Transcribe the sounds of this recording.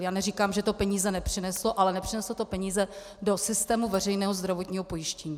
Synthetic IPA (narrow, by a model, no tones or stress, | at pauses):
jaːnɛriːkaːmʒɛt̪opɛɲiːzɛnɛpr̝̥ɪnɛsloʔalɛnɛpr̥ɪnɛslot̪o̞pɛɲiːzɛ | do̞sɪst̪ɛːmuvɛrɛjnɛːɦozd̪ɾavo̞t̪ɲiːɦopo̞jɪʃcɛɲiː